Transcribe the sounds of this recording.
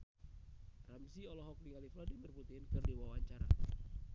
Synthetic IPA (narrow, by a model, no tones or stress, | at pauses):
ramsiɔlɔɦɔkliŋalifladimərput̪iɦɪnkɨrdewawaɲt͡ʃaɾa̰